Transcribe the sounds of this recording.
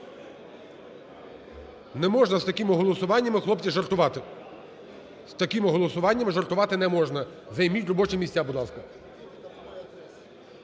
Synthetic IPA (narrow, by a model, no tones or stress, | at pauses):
nɛmɔʒnɐzt̪ɐkʲimɪɦɔlˠɔsʊʋɑnʲːɐmɪxlˠɔpt͡sʲiʒɐrt̪ʊʋɑt̪ | st̪ɐkimɪɦɔlˠɔsʊʋɑnʲːɐmɪʒɐrt̪ʊʋɑt̪ɪnɛmɔʒnɐ | zɐjmʲitʲrɔbɔt͡ʃɪmʲisʲabʊd̪lˠɑskɐ